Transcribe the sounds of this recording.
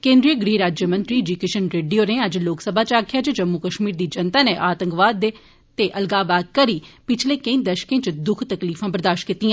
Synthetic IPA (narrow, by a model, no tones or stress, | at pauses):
kẽːnd̪ɾijəɡɾiːɾaːd͡ʒjəmə̃nt̪ɾiːd͡ʒukeːʃənɾeːɖijoːneːəd͡ʒloːksəbʱaːt͡ʃaːkʰjaːd͡ʒd͡ʒəmːukəʃmiːɾd̪iːd͡ʒənt̪aːneːʔaːt̪əŋkʋaːd̪ːeː | t̪eːʔəlɡaːbaːd̪̚kəɾiːpɪt͡ʃʰleːkəĩːd̪əʃkẽːt͡ʃd̪ʊkʰt̪əkliːfʰãːbəɾd̪aːʃkɪt̪iːãː